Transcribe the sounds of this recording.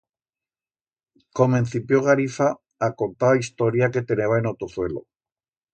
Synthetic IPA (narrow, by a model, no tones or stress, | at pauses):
komẽnθipjoɣaɾifaː | ko̞nt̪aβaist̪o̞ɾjake̞t̪e̞neβaenot̪oθwe̞lo̰